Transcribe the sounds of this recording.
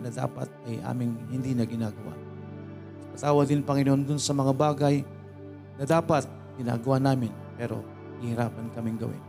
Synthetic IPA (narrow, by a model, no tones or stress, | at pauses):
nɐd̪a̰ːpa̰t̪̚ɐjʔa̰ːmɪŋhɪnd̪iːnɐɡɪnaːɡɐwa̰ | ɐɐkɐt̪aːwɐd̪ɪnpɐŋɪnoʔond̪ʊnsɐmɐŋabaːɡaj | nɐd̪aːpat̪̚ | ɡ̥ɪna̰ːɡɐwanaːmɪnpɛɾo̞̰ | ɡɪhɪɾaːpɐnkɐmɪŋɡɐ̰wɪ̰n